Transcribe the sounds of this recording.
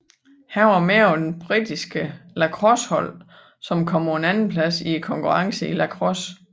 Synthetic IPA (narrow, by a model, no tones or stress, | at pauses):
hæʊɐmeɐɒd̥enb̥ʁid̥isɡ̥əlækʰʁɔshɒ̽l̰ | sɒ̽mkʰɒm̰ʰɒenænn̩pʰlæsikʰɒ̽ŋkʰuʁɑ̈ŋsəilækʰʁɔs